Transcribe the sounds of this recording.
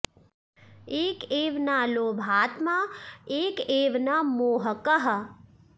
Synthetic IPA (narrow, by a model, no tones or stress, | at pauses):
eːkeːʋnaːloːbʱaːt̪maeːkeːʋnaːmoːɦəkəɦə